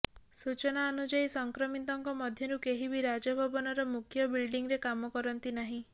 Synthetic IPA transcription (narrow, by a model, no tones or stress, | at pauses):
sut͡ʃɔnaɔnud͡ʒaisɔŋkɾɔmit̪ɔŋkɔmɔd̪ʱjɔɾukeɦibiɾad͡ʒɔbʱɔbɔnɔɾɔmukʰjɔbilɖiŋɾekamɔkɔɾɔnt̪inaɦĩ